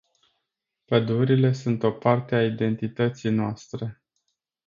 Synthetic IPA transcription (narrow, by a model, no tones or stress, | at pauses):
pəd̪uɾile̞sunt̪o̞part̪e̞aid̪e̞nt̪it̪ət̪sijnoast̪ɾe̞